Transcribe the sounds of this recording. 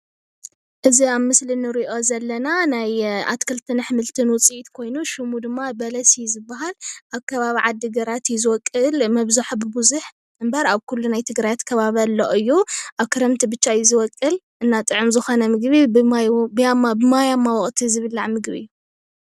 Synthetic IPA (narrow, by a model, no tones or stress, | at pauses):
ʔɨziaβmɨslinɨɾiʔo̞zɐlːɐnanaja̰t̪kʰɨlt̪ʰɨnɨħmɨlt̪ʰɨnwɔt͡sʼiʔit̪kʰo̞jnuʃɨmud̪ɨmːabɐlɐsijzɨbːaɦalʔaβkʰɐβaβiʕad̪ːiɡɐɾat̪jɪzɨwɔkʼːɨlmɐβzuħbɨbuzuħ | ɨmbɐɾaβkʰulːunajt̪ʰɨɡɾajat̪kʰɐβaβalːoʔɨjːuʔaβkʰɨɾɐmt̪ʰibɨt͡ʃːajizɨwɔkʼːɨl | ʔɨnːat̪ʼɨʕɨmzɨxo̞nɐmɨɡβi | bjamabɨmajamːawɔχʼt̪ʰizɨβɨlːaʕmɨɡbiɨ̰jːu